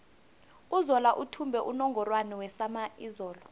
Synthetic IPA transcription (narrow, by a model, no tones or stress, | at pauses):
uzɔlaʔutʰumbʱɛʔunɔŋɡʱɔrwanɛwɛsamaʔizɔːlɔ